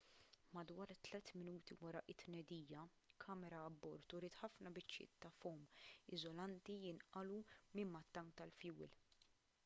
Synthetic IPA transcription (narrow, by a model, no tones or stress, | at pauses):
mɐd̪wɐːɾt̪lɛt̪mɪnuːt̪iwɐɾɐʔɪt̪ːnɛd̪iːjɐ | kʰɐːmɛɾɐːbːɔɾt̪ʊɾiːt̪ħɐfnɐbɪt͡ʃːjɪ̰ːt̪ːɐfɔːmɪzɔlɐnt̪ijɪnʔɐlumɪmmːɐt̪ːɐŋk̚t̪ɐlfjuːl